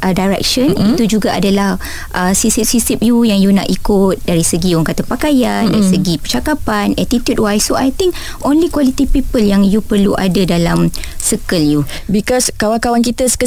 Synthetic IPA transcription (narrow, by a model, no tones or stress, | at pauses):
ʔədajɾɛ̰k̚ʃənit̪ud͡ʒuɡaʔa̰dalah | ʔəsisip̚sisip̚jujaŋjuna̰ʔikʊt̪̚daɾisəɡiɔŋkat̪apakajandaɾisəɡipərt͡ʃakapanɛt̪it̪jud̚wajsoajt̪ĩŋk | ʔõnlikwalit̪ipipəljaŋjupərluʔa̰dadalamsəkəlju | bikɔskawaŋkawankit̪əskə